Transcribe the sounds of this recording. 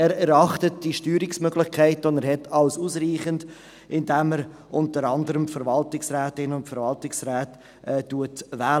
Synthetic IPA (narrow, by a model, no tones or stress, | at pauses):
ɛːɾɛɾɑχtət̚d̥iʃtyːɾɪksmøɡlɪχkʰæɪtɔnəɾhɛtʰɑʊsuːsɾiːχənd | ɪndæməɾ | ʔʊntəɾɑndəɾəmfəɾvɑltɪksræːtɪnʊntfəɾvɑltɪksɾæːt | ʔɛːtːuətvɛː